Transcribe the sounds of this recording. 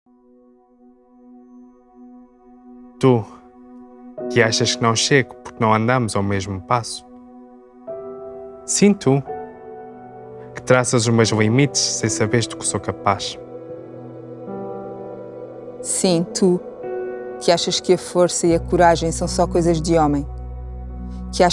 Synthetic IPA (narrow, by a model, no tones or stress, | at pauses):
t̪u | kɨaʃɐʃkɨnɐ̃w̃ʃeɣpuɾk̚nɐ̃w̃ɐ̃nd̪amuzawmeʒmupasu̥ | sĩt̪ʰu | kɨ̥t̪ɾasɐzuʒmewʒlˠimit̪ʃsẽj̃sɐβeɾʒd̪u̥ksokɐpaʃ | sĩt̪ʰu | kʰɨaʃɐʃkɨɐfoɾsɐiɐkuɾaʒɐ̃j̃sɐ̃w̃sɔkojzɐʒd̪ɨɔmɐ̃j̃ | ka